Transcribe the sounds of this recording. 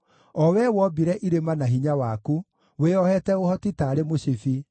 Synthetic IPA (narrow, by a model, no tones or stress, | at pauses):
ɔwɛwɔbiɾɛʔiɾemanaɦiɲawaku | weɔhɛtɛohɔtitaːɾemoɕifi